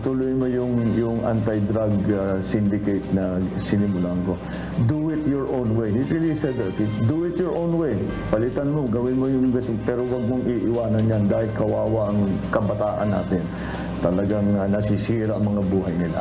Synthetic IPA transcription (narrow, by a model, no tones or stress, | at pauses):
t̪ʊluːjnmojʊŋjʊŋʔa̰nt̪ajd̪ɾaɡasɪnd̪ɪkejt̪̚nɐsɪnɪmʊlaɐŋko | d̪uɪt̪jɔɹʔownwejhiɹilisɛd̪ɛt̪ɪd̪uɪt̪jɔɹʔownwej | pɐlɪt̪anmoɡɐwɪnmojʊŋɡɐsɪpɛːɾowɐɡ̚moŋiʔɪwaːnɐnɲand̪aːhɪlkɐwaːwaʔɐŋkɐbɐt̪aːʔɐ̰nːa̰ːt̪ɪn | t̪ɐlɐɡaŋnɐsisiːɾaʔɐŋmɐŋabuːɦɐjnɪla̰